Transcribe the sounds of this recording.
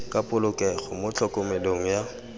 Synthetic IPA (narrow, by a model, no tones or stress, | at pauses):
kʼapʼʊlʊkʼɛɣʊmʊt͡ɬʰɔkʼomɪloŋ̩ja